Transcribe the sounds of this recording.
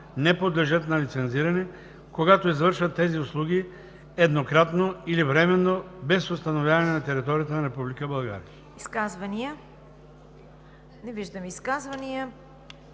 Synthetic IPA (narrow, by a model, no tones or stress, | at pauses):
nɛpod̪lɛʒət̪nalit̪sɛnziɾɐnɛ | koɡat̪oizvəɾʃvɐt̪ːɛziuslˠuɡʲi | ɛd̪nokɾat̪noilivɾɛmɛnːobɛsost̪anovjavanɛnat̪ɛɾit̪ɔɾijat̪ənaɾɛpublikəbɐlˠɡa̰ɾiɐ | iskazvɐnijə | nɛviʒd̪ɐmiskazvɐnijə